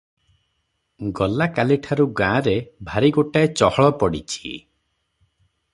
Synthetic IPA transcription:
ɡɔlakaliʈʰaɾuɡãɾebʱaɾiɡoʈaet͡ʃɔhɔɭɔpɔɽḭt͡ʃʰi̥

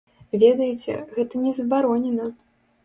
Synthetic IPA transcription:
vʲɛd̪ɐjɛt͡sʲɛ̰ɣɛt̪ɐnʲɛzɐbaɾɔnʲɛnɐ

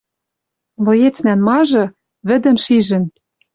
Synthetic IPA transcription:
lŏjet͡snænmɑʒɤ̆ | βɘ̆d̪ɘ̆mʃiʒɘ̆n

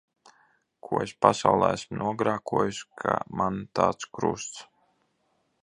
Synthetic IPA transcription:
kʰuɔespasawlˠɛːæsmnʔuɔɡɾaːkuɔjuskʰa̰mant̪a̰ːt̪skɾṵst̪s

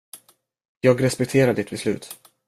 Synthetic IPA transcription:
jɑːɡɾɛspɛkt̪ʰeːɾad̪əɪt̪̚bɛslʉ̟ːt̪

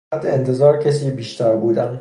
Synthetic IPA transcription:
d̪ent̪ʰe̞zɒːɾcʰes̬iːbiːʃt̪ʰæɾbuːd̪æm

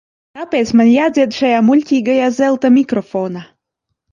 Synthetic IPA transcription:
t̪ɑpesmə̆nʲjazed̪ʃejamulʲt̪ʲiɡə̆jɑzelˠt̪ə̆mʲikrofona

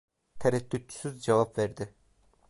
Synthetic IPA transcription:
t̪ʰɛɾɛt̪ːyt̪̚t͡ʃʰy̥syzd͡ʒavapvæɾd̪ɪ

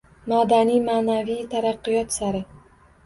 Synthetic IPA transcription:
mad̪anijmaːnavijt̪ʰaɾɑqːɨjɒt̪saɾɪ

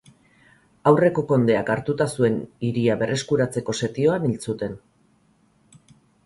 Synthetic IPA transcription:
awre̞ko̞ko̞nd̪e̞akaɾt̪ut̪asue̞niɾiaβe̞rʔe̞skuɾat͡se̞ko̞se̞t̪io̞anilt͡sut̪e̞n

